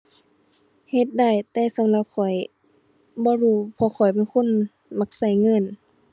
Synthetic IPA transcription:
he˧t̪̚da˧˩jt̪ɛː˧sa˧˦mla˧˦p̚kʰɔ˨˩j | bɔː˧˦huː˧˩pʰɔː˧˦xʰɔ˨˩jp̬e˧˨nkʰo˧˥˨n | ma˧k̚sa˧˩jŋɤ˧˥˨n

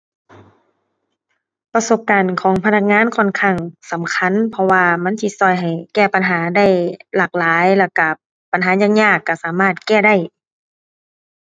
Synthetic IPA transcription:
pa˧so˧˦p̚kaː˨nkʰɔː˨˦ŋpʰa˧na˧k̚ŋaː˧˥˨nkʰɔ˧˨nkʰa˧˩˨ŋsa˨˦mkʰa˧˥˨npʰɔ˧waː˧ma˧˥˨nsi˧˦sɔː˧˩jɦa˨˩jkɛː˧˩pa˨nɦaː˩˦da˧˥˩jlaː˧˩k̚laː˨˦jlaː˧˩ka˧˩ | pa˨nɦaː˨˩˦ɲaː˧˨ŋɲaː˧˩kːa˧˩saː˨˦maː˧˥˩t̪̚kɛː˧˩da˥˩˨j

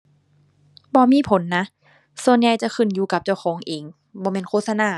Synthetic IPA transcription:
bɔː˧miː˧˥˨pʰo˨˦nːa˦˥ʔ | su˧˨ənja˧˩jt͡ɕa˧˨kʰɯ˧˩njuː˧˦ka˧˦p̚t͡ɕa˧˩wxʰɔː˨˦ŋʔeː˨˦ŋ | bɔː˧mɛː˧˥˨nkʰoː˧˥˨sa˧naː˧˩

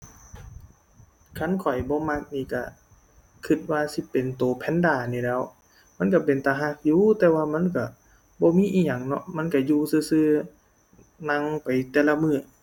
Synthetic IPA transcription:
kʰa˧˥˨nkʰɔ˨˩jbɔː˧˦ma˧˩k̚niː˧˩ka˧˩ | kʰɯ˧˩t̪̚waː˧si˧˦pe˨nt̪oː˨˩pʰɛ˧˥˨ndaː˧˩niː˧˩lɛː˧˥˨w | ma˧˥˨nk̬a˧˩pe˨nt̪aː˨˧ɦa˧˥˨k̚juː˧˨t̪ɛː˧waː˧ma˧˥˨nka˧˩ | bɔː˧˦miː˧˥˨ʔiː˧˨ɲa˨ŋnɔ̰˧ʔma˧˥˨nka˧˩juː˧sɯː˧˩sɯː˧ | na˧˨ŋpa˨jt̪ɛː˧˨la˧mɯː˧˩˨

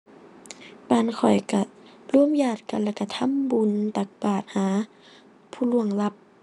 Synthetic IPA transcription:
baː˨˩nkʰɔ˨˩jka˧˩lu˧˨ə˨mjaː˧˩t̪̚ka˧˨nlɛː˧˩ka˧˩t̪ʰa˧˥˨mbu˨nt̪a˨˧˩k̚baː˨˩t̪̚haː˨˦ | pʰuː˧˩lu˧˩əŋla˧˥p̚

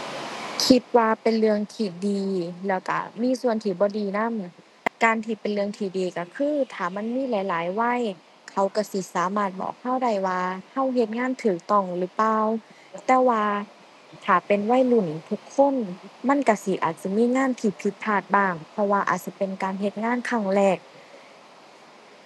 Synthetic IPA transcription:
kʰi˧t̪̚waː˧pe˨nlɯ˧əŋt̪ʰiː˧˩diː˨˩lɛː˧˩wka̰˧˩miː˧˥˨su˧˩˨ənt̪ʰiː˧˩bɔː˧˦diː˨˧na˧˥˨m˧ | kaː˨nt̪ʰiː˧˩pe˨nlɯ˧əŋt̪ʰiː˧˩diː˨˧ka˧˩kʰɯː˧˥˨t̪ʰaː˨˩ma˧˥˨nmiː˧˥˨la˨˦jlaː˨˦jwa˧˥˨j | kʰa˧˩wka˧˩si˧˦saː˨˦maː˧˩t̪̚bɔ̰ː˨˩k̚ha˧˥˨wda˧˩jwaː˧ha˧˥˩wɦe˧˦t̪̚ŋaː˧˥˨nt̪ʰɯː˨˩k̚t̪ɔ˧˩ŋlɯː˨˦paː˧˨w | t̪ɛː˧waː˧ | t̪ʰaː˨˩pe˨nwa˧˥˩jlu˧˩n˨t̪ʰu˧˦kʰːo˧˥˨nma˧˥˨nka˧˩si˧ʔa̰ː˨˩t̪̚sa˧˦miː˧˥˨ŋaː˧˥˨nt̪ʰiː˧˩pʰi˧˦t̪̚pʰːaː˧˩t̪̚baː˧˩ŋpʰɔ˧waː˧ʔa̰˨˩t̪̚sa˧pe˨nkaː˨nɦe˧˦t̪̚ŋaː˧˥˨nkʰa˧˥˩ŋlɛː˧˩k̚

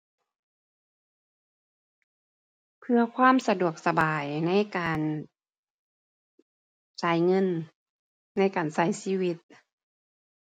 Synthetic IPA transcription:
pʰɯ˧ɐkʰwaː˧˥˨msa˧du˨˩ək̚sa˧baː˨˩jna˧˥˨jkaː˨˩n | t͡ɕaː˨˩jŋɤ˧˥˨nː | a˧˥˨jkaː˨˩nsa˧˩jsiː˧˥˨wi˧˦t̪̚

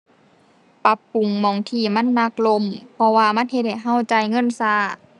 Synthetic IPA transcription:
pa˧pːu˨ŋmɔː˨˧˩ŋt̪ʰiː˧˩ma˧˥˨nːa˧˩k̚lo˧˥˨mpʰɔ˧waː˧ma˧˥˨nhe˧t̪̚ha˨˩jɦa˧˥˨wt͡ɕa˨˧jŋɤ˧˥˨nsaː˧˩

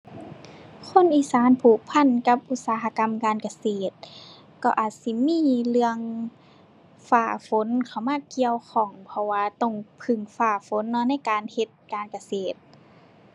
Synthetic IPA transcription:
kʰo˧˥˨nʔiː˧˩˨saː˨˦npʰuː˧˩pʰa˧˥˨nka˧p̚ʔu˧t̪̚saː˨˧ɦa˧ka˧mkaː˧˨nka˧seː˨˩t̪̚ | kɔ˧˩ʔaː˨˩t̪̚si˧˦miː˧˥˨lɯ˧əŋ | faː˧˩fo˨˦nkʰa˧˩wmaː˧˥˨ki˧əwxʰɔː˧˩ŋpʰɔ˧waː˧t̪ɔ˧˩ŋpʰɯ˧˩ŋfaː˧˩fo˨˦nːɔ˧na˧˥˨jkaː˨nhe˧t̪̚kaː˧˨nka˧seː˨˩t̪̚

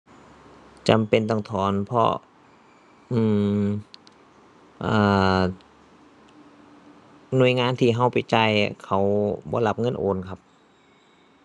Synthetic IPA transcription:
t͡ɕa˨mpe˧˨nt̪ɔː˧˩ŋt̪ʰɔː˩˦npʰɔ̰˧ | ʔɯː˧˩m | ʔɤː˧˩ | nu˧˩əjŋaː˧˥˨nt̪ʰiː˧˩ɦa˧˩wpa˨˩jt͡ɕa˧˩jkʰa˨˦wbɔ̰ː˧˦la˧˥p̚ŋɤ˧˥˨nʔoː˧˨nkʰa˧˥p̚

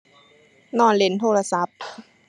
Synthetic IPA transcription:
nɔː˧˩nle˨˦nt̪ʰoː˧˩la˧sa˨˦p̚

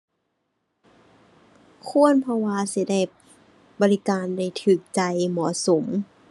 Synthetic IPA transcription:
kʰu˧˥˨ənpʰɔ˧waː˧si˧˦da˥˩j | bɔː˧li˧kaː˧nda˥˩jt̪ʰɯː˨˩k̚t͡ɕa˧jmɔː˩˦so˨˦m

